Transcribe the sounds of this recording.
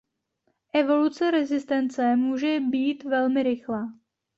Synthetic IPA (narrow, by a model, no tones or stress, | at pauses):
ʔɛvo̞lut͡sɛɾɛzɪst̪ɛnt͡sɛmuːʒɛbiːt̪vɛlmɪɾɪxlaː